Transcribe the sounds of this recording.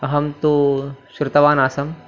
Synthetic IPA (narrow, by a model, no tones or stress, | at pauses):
ɐɦɐmt̪usɾt̪ɐʋaːnaːsɐm